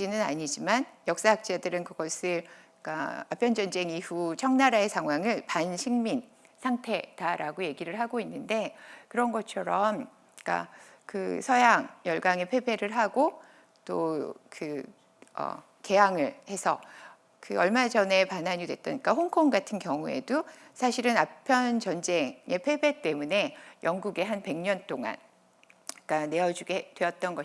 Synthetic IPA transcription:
d͡ʑinɯna̰ɲid͡ʑimanjʌk̚s͈aak̚t͡ɕ͈adɯɾɯnkɯɡ̥ʌsʰɯɭ | k͈a̰ap͈ʰjʌnd͡ʑʌnd͡ʑe̞ŋiɸut͡ɕʰʌŋnaɾaesʰaŋɦwaŋɯɭpanɕʰiŋmin | sʰaŋtʰe̞d̥aɾʔaɡoje̞ɡiɾɯɭɦaɡoinːɯnde̞kɯɾʌnɡʌt͡ɕʰʌɾʌm | k͈a̰ | kɯsʰʌjaŋjʌɭɡaŋe̞pʰe̞be̞ɾɯɭɦaɡo | t͈okɯ | ʌ̰ | ke̞jaŋɯɭhe̞sʰʌ | kɯʌɭmad͡ʑʌne̞panɦaɲidwe̞t̚t͈ʌɲik͈aɦoŋkʰoŋɡatʰɯnkjʌŋue̞̰dosʰaɕʰiɾɯnapʰjʌnt͡ɕʌnd͡ʑe̞ŋe̞pʰe̞be̞t͈e̞mune̞jʌŋɡuɡe̞ɦanpe̞ŋɲʌnt͈oŋa̰n | k͈ane̞ʌd͡ʑuɡedwe̞ʌt̚t͈ʌnɡʌ

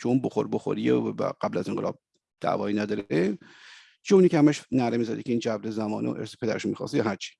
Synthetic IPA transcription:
kʰeunboxoɾboxo̰ɾievæ̰ɢ̥æblæzeŋɢelɒ̰ːb̚ | d̪̥æ̰ːvɒːjinæd̪ɒːɾe | t͡ʃʰouniːcehæmæʃnæɾemiːzæd̪ḭkʰeiːnd͡ʒæbɾezæmɒ̰ːneo̰ʔeɾse̥pʰe̞d̪æɾeʃomixɒ̰ːsjɒːɦæɾt͡ʃʰi̥

